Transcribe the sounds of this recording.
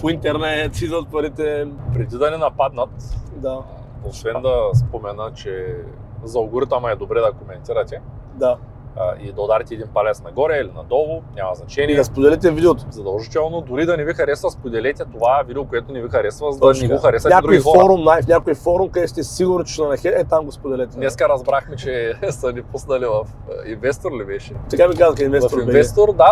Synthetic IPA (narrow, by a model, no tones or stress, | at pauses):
point̪ɛɾnɛt̪sizɐt̪̚pɐɾit̪ɛpɾɛd̪id̪ɐnɛnɐpad̪nɐt̪d̪a | osvɛnd̪ɐspomɛnət͡ʃɛ | zɐuɡuɾit̪əmɐɛd̪obɾɛd̪ɐkomɛnt̪iɾɐt̪ʲɛ | d̪a | id̪ɐod̪aɾɛt̪ɛd̪inpalʲɛt̪snɐɡɔɾɛilinɐ̰d̪ɔlˠʊnʲamɐznɐt͡ʃɛniɛɐspod̪ɛlɛt̪̬ɛvid̪ʲɛot̪zɐd̪ɔlˠʒit̪ɛɔnɔd̪ʊɾid̪ɐnɛvixɐɾɛsvɐspod̪ɛlɛt̪ʲɛt̪ovavid̪ɛokoɛt̪onɛvixɐɾɛsvɐzd̪ɐnɛɡoxɐɾɛsɐnʲɛakd̪ɾuoifɔɔɾumnajfnʲakojfɔɾumkɐd̪ɛt̪t̪iɛsiɡʊɾnot͡ʃɛnɐnɐxɛɛt̪amɡospod̪ɛlɛt̪ɛnɛskɐɾɐzbɾaxmɛt͡ʃɛsɐnipusnɐlivɐf | invɛst̪oɾlibɛʃɛt̪ɐkamikazɐkinvɛvoɾinɛvɛst̪oɾd̪a